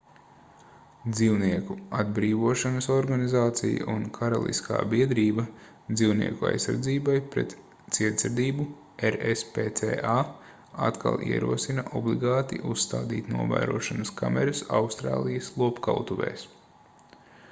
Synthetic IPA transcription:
d̪ziwniɛkuad̪bɾiːvuɔʃanɐsɔɾɡanizaːt̪sija̰ʔunkʰaɾalˠʔḭskʰa̰ːbiɛd̪ɾiːbɐ | d̪ziwnḭɛkua̰jsːaɾd̪ziːbajpɾɛt̪ | t̪siɛt̪sɛɾd̪iːbu | eɾespeːt̪eːʔa | a̰t̪ka̰lˠʔiɛɾuɔsinaʔɔblˠiɡaːt̪iʔusːt̪aːd̪ḭːt̪nuɔvæ̰ːɾuɔʃanɐskamɛɾɐsa̰wst̪ɾa̰ːlˠijɐslˠuɔpkalt̪uʋɛ̰ːs

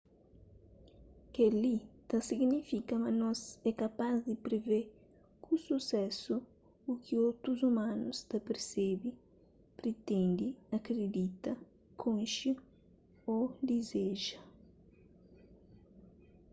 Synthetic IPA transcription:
kelit̪ɐsiɡnifikɐmɐnɔzɛkapazd̪ɪpɾeve | kususɛsu | ukʰiowt̪ɾuzumãnust̪ɐpeɾsebi | pɾet̪ẽnd̪iɐkɾed̪it̪ɐ | kʰõnʃi | od̪izeʒɐ

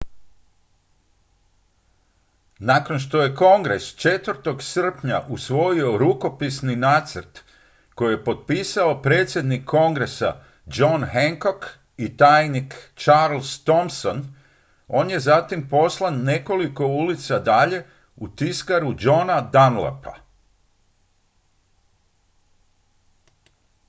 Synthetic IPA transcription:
nako̞nʃt̪o̞je̞ko̞ŋɡɾe̞st͡ʃe̞t̪ʋr̩t̪o̞ɡsr̩pɲa̰ʔusʋo̞io̞ɾuko̞pisninaːt̪sr̩t̪ | ko̞jijepo̞t̪̚piːsao̞pɾe̞ːt̪sʲje̞d̪nikʰːo̞ŋɡɾe̞sa̰ | d͡ʒo̞nheŋko̞k | it̪ajnikt͡ʃaɾlst̪o̞mson | o̞ːnje̞zat̪impo̞slˠanːe̞ko̞liko̞ulit̪sad̪aʎe̞ | ut̪iskaɾud͡ʒo̞nad̪anla̰pa̰

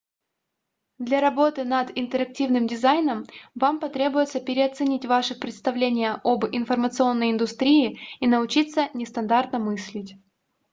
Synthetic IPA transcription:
d̪lʲaɾɐbo̞t̪ɨnɐd̪ɪnt̪əɾɐk̚tʲivnɨmdʲɪzajnəmvampɐt̪ɾʲebʊjɪt̪səpʲɪɾʲɪɐt̪sɨnʲitʲvaʂɨpɾʲɪt̪st̪ɐvlʲenʲɪjəʔobɪnfərmət̪sɨo̞nːəjɪnd̪ʊst̪ɾʲiɪinəʊt͡ɕit̪sənʲɪst̪ɐnd̪art̪nəmɨsʲlʲɪtʲ

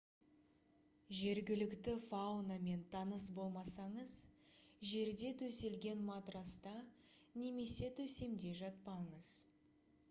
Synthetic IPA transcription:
ʒe̞ɾɡʲɪlɪkt̪ɪfawnɑme̞nt̪ʰɑnəs̬bo̞lˠmɑsɑɴəzʒe̞ɾd̪e̞t̪ʰɵse̞lɡʲe̞nmɑt̪ɾɑst̪ɑ | ne̞me̞se̞t̪ʰɵse̞md̪e̞ʒɑt̪̚pɑɴəz̥

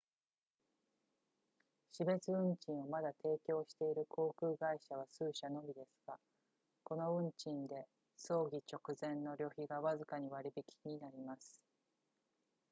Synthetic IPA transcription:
ɕibe̞t͡sɨɯ̟̃ɲt͡ɕĩɰ̃o̞mad̪at̪e̞ːkʲo̞ːɕi̥t̪e̞iɾɯ̟kʰo̞ːkɯ̟ːɡaiɕaβ̞asɨːɕano̞bʲid̪e̞sɨ̥ɡ̥a | ko̞no̞ɯ̟̃ɲt͡ɕĩnd̪e̞ | so̞ːɡʲit͡ɕo̞kɯ̟zẽ̞nːo̞ɾʲo̞çiɡaβazɨkaɲ̟iβaɾʲibikʲi̥ɲ̟inaɾʲimasɨ̥

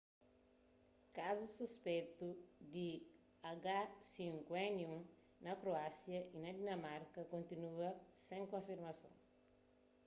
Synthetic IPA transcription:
kazususpet̪ud̪i | aɡasĩŋkwẽniũn | nɐkɾoasjɐʔinɐd̪inɐmaɾkɐkõnt̪inuɐsẽŋkõfiɾmɐsõ̰ŋ

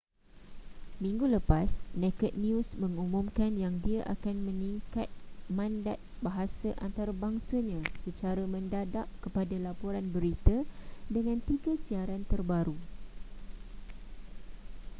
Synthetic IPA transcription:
mĩŋɡuləpasnɛkət̪̚niusmə̃ŋumũmkanjaŋdiaʔakanmə̃niŋkat̪̚mãnda̰t̪̚baɦasaʔant̪aɾabaŋsaɲãsət͡ʃaɾamə̃ndadap̚kəpadalapoɾanbəɾit̪adəŋãnt̪iɡasiaɾant̪ərbaɾu

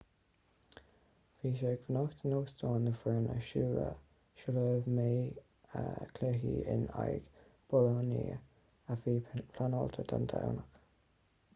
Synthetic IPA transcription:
viːʃeːɡvənɔxt̪ʰənoːsd̪ɔːnðəfɹəːnəʃuːɾə̰ | ʃələːvmeː | əkʰlɛɦiːɪ̰na̰jɡ̥b̥ɔlɔnḭə | afiːpʰlanɔːlt̪ʰəd̪ʰand̪ʰa̰wnək

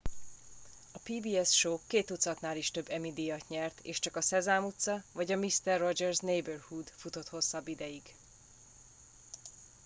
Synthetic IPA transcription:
ɒpiːbiːɛsʃoːkeːt̪ut̪sɒt̪naːliʃt̪ø̞bːɛmid̪ijɒt̪ɲɛrt̪eːʃt͡ʃɒkɒsɛzaːmut̪sɒvɒɟɒmist̪ɛrːod͡ʒɛrznejbørhud̪fut̪o̞t̪ho̞sːɒbːid̪ɛjiɡ

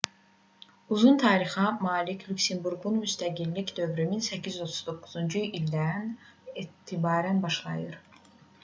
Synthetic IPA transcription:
uzunt̪ʰɑːɾixɑmɑːlicʰlʲyksembuɾɡunmyst̪ʰæɟilːicd̪ø̞vɾyminsæcʰizo̞t̪ʰu̥zd̪o̞kʰːuzund͡ʒuild̪ænet̪ʰibɑːɾænbɑʃlˠɑ̰jɯɾ

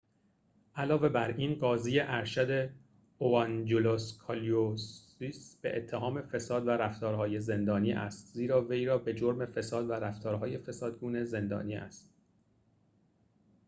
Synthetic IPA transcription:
ʔælɒːve̞bæɾʔiːnɢɒːziːjeʔæɾʃæd̪e̞ | oɑnd͡ʒoloskʰɒlios | isb̥e̞̰ʔet̪ʰːeɦɒːme̞fe̞sɒːd̪væɾæft̪ɒːɾɦɒːje̞ze̞nd̪ɒːniːʔæ̰st̪ziːɾɒːvejɾɒːbe̞d͡ʒoɾme̞fe̞sɒːd̪væɾæft̪ʰɒːɾɦɒːje̞fe̞sɒːd̪ɡuːne̞ze̞nd̪ɒ̰ːniːʔæ̰st̪̚

